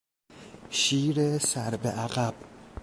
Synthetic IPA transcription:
ʃiːɾesæɾbeʔæɣæb̥̚

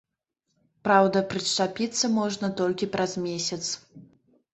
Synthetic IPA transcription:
pɾawd̪ɐpɾɨʂt͡ʂapʲit̪sːɐmɔʐnɐt̪ɔlʲkʲipɾʔazmʲesʲɐt̪s

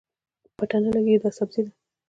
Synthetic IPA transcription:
paʈanalaɡed̪ɑsabzid̪a

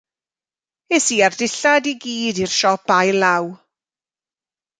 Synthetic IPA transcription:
esiːardɪɬadiɡiːdirʃɔpajlaw

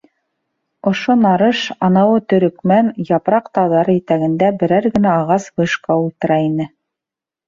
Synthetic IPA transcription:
ŏʃonɑɾɤʃɑnɑwɤt̪ɵ̆ɾɵ̆kmænjɑpɾɑqt̪ɑðɑɾit̪æɡɘ̆nd̪æbɘ̆ɾæɾɡɘ̆næːʁɑsbɤ̆ʃkɑulˠt̪ɤ̆ɾɑinɘ

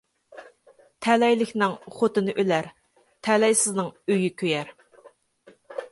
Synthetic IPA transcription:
t̪ʰɛlɛjlɪkʲnɪŋχot̪ɨnɨʔølæɾ | t̪ʰɛlɛjsɪznɨŋøjykʲʰøjɛɾ

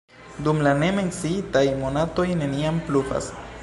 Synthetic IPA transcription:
d̪umlane̞me̞nt͡siitajmonato̞jne̞niamplufa̰s

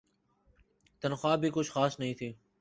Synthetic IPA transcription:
t̪ənxwaːbʱiːkʊt͡ʃʰxaːsnəɦĩːt̪ʰiː

